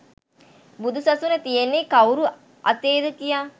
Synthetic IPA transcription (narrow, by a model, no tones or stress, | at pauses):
bud̪usasunət̪ijenːekawɾu | ʔa̰t̪eːd̪əkija